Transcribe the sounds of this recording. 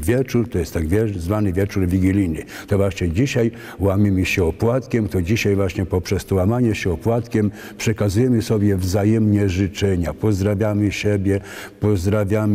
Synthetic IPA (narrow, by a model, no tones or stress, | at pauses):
vʲjɛt͡ʂuɾt̪ɔjɛst̪ːaɡvʲjɛzvanɘvʲjɛt͡ʂuɾvʲiɡʲilʲinɘ | t̪ɔvaʂt͡ɕɛd͡ʑiɕaj | wamʲimɘɕɛɔpwat̪kʲɛmt̪ɔd͡ʑiɕajvwaɕɲɛpɔpʂɛst̪ɔwamaɲɛɕɛɔpwat̪kʲɛm | pʂɛkazujɛmɘsɔbʲjɛvzajɛmɲɛʐɘt͡ʂɛɲapɔzd̪ɾavʲjamɘɕɛbʲjɛ | pɔzd̪ɾavʲjam